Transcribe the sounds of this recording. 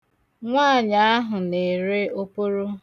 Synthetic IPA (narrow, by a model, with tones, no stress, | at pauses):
ŋʷaː˦˨ɲa˦a˦ɦʊ˨ne˨ɾe˦o˦po˦ɾo˦